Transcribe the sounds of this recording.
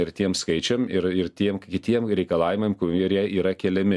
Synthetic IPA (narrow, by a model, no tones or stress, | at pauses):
ɪɾt̪ʲiɛmskɐɪt͡ʃʲɛmɪɾɪɾt̪ʲiɛmkʲɪt̪ʲiɛmɾʲɛɪkɐlˠɑːʋʲɪmɐɪmkʊiɛɾjɛiːɾɐkʲɛlʲɛmʲɪ